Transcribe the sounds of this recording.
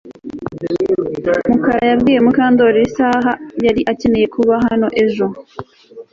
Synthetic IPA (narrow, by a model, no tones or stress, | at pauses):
mukaɾajabɡiːje̞mukaːndoɾeɾisaːɦajaɾiʔace̞ne̞je̞kuβaɦano̞ʔe̞ʒo̞